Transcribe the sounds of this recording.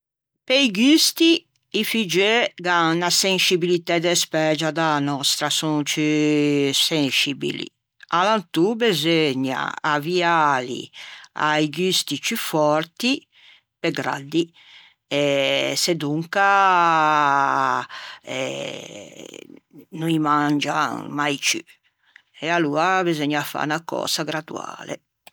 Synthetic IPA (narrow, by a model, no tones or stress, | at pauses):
pejɡyst̪i | ifid͡ʒeɡanasensibilit̪ɛd̪espɛːd͡ʒad̪aanɔst̪ɾasunt͡ʃi | sensibḭlḭ | alant̪ubezeɲa̰avialḭa̰jɡyst̪it͡ʃyfɔɾt̪i | pɛɡɾa̰d̪ːi | ɛsɛd̪uŋka | ɛ̰ | nuimand͡ʒa̰majt͡ʃy̰ | ɛaluːabezɔɲaːfːa̰nakɔ̰ːz̥aɡɾad̪ṵa̰ːlɛ̰